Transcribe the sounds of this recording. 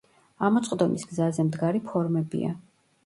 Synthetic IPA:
amɔt̪sʼqʼd̪ɔmisɡzazɛmd̪ɡaɾipʰɔɾmɛbḭa̰

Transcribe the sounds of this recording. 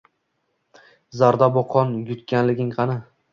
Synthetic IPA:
zaɾd̪abɒqʰɒnjʊt̪kʲanlɪɡʲɪŋqʰɑnɪ

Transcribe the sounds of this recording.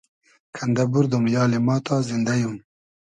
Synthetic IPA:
kʰand̪abuɾd̪umjɑːlemɑːt̪ɑːzɪnd̪ajum

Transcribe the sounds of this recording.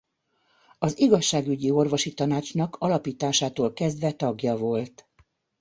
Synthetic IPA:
ɒziɡɒʃːaːɡyɟio̞rvo̞ʃit̪ɒnaːt͡ʃnɒkʰɒlɒpiːt̪aːʃaːt̪oːlkɛzd̪ʋɛt̪ɒɡjɒvo̞lt̪

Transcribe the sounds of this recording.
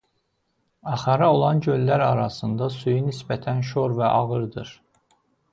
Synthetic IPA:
ɑχɑɾɑo̞lˠɑnɟølːæɾɑɾɑsɯnd̪ɑsujynisbæt̪ʰænʃ̬o̞ɾvæʔɑɣɯɾd̪ɯɾ

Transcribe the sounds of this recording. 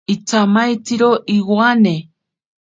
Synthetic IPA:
it͡sʰamajt͡siɾoʔiwane

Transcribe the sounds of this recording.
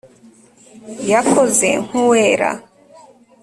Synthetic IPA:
jakʰozḛŋ̥uweːɾa̰

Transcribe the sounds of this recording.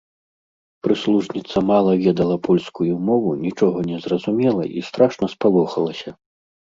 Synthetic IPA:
pɾɨslˠuʐnʲit̪sɐmalˠɐvʲɛd̪ɐlˠɐpʰɔlʲskujumɔvunʲit͡ʂɔɣɐnʲɛzrɐzumʲɛlˠɐ̰ʔist̪ɾaʂnɐspalˠɔxɐlˠɐsʲɐ

